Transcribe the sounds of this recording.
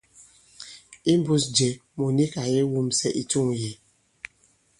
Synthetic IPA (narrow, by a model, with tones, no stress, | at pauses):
i˦m˦bu˦sd͡ʒe˨mo˨ni˦ka˨je˦wu˦msɛ˦ʔi˨tu˦ŋ˨je˨